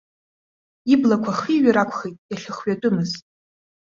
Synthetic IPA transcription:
iblakʷʰaχiɥaɾakʷʰχejtʼjaɬɨχɥatʼʊmɨztʼ

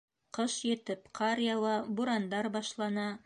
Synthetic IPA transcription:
qɤʃjɘ̆t̪ɘpqʰɑɾjɑlˠɑbuɾɑnd̪ɑɾbɑʃlˠɑnɑ

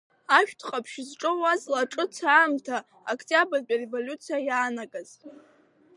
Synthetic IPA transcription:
aʃᶣtʰχʼapʰʃzʈ͡ʂʼɨwazlaʈ͡ʂʼɨt͡sʰaːmtʰa | okʰtʼiabɨrbʲʼarevo̞lʲut͡sʰijajaːnaɡʼaz̥

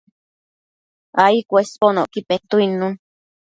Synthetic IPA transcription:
aikʷesponoʔkipet̪uinũn

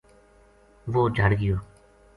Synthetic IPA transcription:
ʋoːd͡ʒʱəɽɡɪjoː

